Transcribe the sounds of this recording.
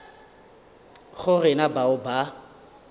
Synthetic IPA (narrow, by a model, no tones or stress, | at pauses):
χʊrɪnabaʊba